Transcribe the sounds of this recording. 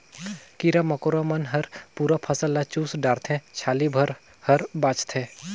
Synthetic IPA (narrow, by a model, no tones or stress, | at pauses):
kiɾamɐkoɾamənɦɐɾpuːɾapʰɐsəlːat͡ʃuːsɖaːɾt̪ʰɛ̃t͡ʃʰaːlibʱɐɾ | hɐɾbaːt͡ʃt̪ʰẽː